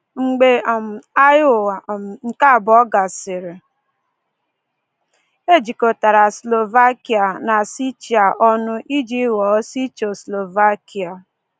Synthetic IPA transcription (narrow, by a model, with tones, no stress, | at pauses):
ŋ͡m̩˨ɡ͡be˦˨m˨a˦jo˦˨ŋ̩˨ka˦˨bɔ˦ɡa˨sɪ˨ɾɪ˨ | e˦d͡ʒi˨ko˨ta˨ɾa˨slo˨va˦ki˨a˨na˨si˦t͡ʃi˨a˨ʔɔ˦nʊ˦ʔi˦d͡ʒi˦ɣɔ˨˦si˦t͡ʃo˨slo˨va˦ki˨a˨